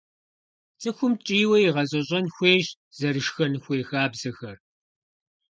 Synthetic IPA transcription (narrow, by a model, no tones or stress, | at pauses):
t͡sʼɨxʷʊmt͡ʃʼiːwɐjiʁɐʑʼɐɕʼɐnxʷeːʒ | z̥ɐɾɨʃxɐnɨxʷeːxaːbz̥ɐxɐr